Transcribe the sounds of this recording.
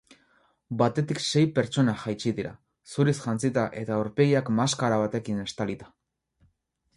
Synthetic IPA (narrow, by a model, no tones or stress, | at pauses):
bat̪e̞t̪ikse̞jpe̞ɾt͡ʃo̞naʝajt͡ʃiðiɾa̰ | suɾisʝant͡sit̪aʔe̞t̪aoɾpe̞ɣiakmaskaɾaβ̞at̪e̞kine̞st̪alit̪ḁ